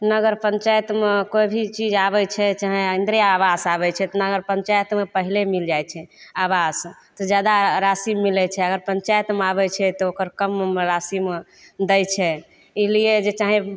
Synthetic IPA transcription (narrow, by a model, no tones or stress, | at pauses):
nəɡəɾpəɲt͡ʃajət̪mekoibʱit͡ʃid͡ʒabɛt͡ʃʰɛt͡ʃaɦẽind̪ɾijaːbasaβɛt͡ʃʰɛt̪ɔnəɡəɾpə̃ɲt͡ʃajət̪mepəɦilemild͡ʒajt͡ʃʰɛaβast̪ɔd͡ʒjad̪aɾasimːilɛt͡ʃʰɛəɡəɾpəɲt͡ʃajt̪meabɛt͡ʃʰɛt̪ɔokəɾkəmeɾasim | d̪ɛjt͡ʃʰɛ | ilied͡ʒet͡ʃaɦĩ